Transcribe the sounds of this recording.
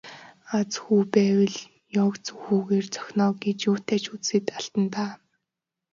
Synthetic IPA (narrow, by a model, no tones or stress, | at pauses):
at͡sxuːpæːwɘ̆ɮ | jɔkt͡sɵxuːɣeːrt͡sœ̥xʲnɔːɡet͡ɕjʊːt̪æːt͡ɕut͡ssĭt̪aɬt̪ə̆nt̪aː